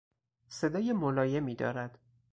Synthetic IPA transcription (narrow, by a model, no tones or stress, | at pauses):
se̞d̪ɒːjemolɒːje̞miːd̪ɒ̰ːɾæd̪̥